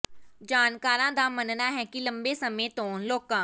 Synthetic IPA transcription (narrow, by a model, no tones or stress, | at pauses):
d͡ʒaːnkaːɾãːd̪aːmənnaːɦɛːkɪləmbeːsəmẽːt̪õːnloːkãː